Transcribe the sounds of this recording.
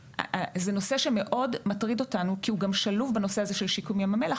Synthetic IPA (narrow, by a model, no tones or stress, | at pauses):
zeno̞seʃeme̞ʔo̞dmatʁido̞tanukiuɡamʃalufbano̞seazeʃelʃikumijamamelaχ